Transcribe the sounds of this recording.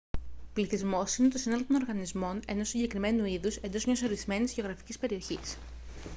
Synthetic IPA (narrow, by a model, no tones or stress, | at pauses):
pliθizmo̞sinet̪o̞sinɐlot̪ono̞ɾɣɐnizmo̞ne̞no̞siɲɟe̞kɾime̞nuiðuse̞nd̪o̞zmɲɐso̞ɾizme̞nizʝeo̞ɣɾɐfi̥cispe̞ɾio̞çis